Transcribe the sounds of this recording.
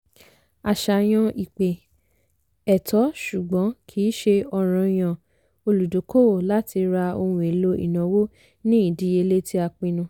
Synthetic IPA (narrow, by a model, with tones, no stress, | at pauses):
a˧˨ʃa˧˨j̃ɔ̃˧i˨k͡pe˨ | ɛ˨tɔ˨˦ʃu˨ɡ͡bɔ̃˨˦kʰiː˨˦ʃe˧ɔ˧ɾ̃ɔ̃˧j̃ã˨ | o˧lu˨do˨˦ko˦o˨la˦tʰi˧ɾa˧o˧hũ˨e˨lo˦ḭ˨nã˨˦wo˦ | nĩ˦i˦˨di˨˦e˧le˦ti˦a˧k͡pĩ˧nũ˧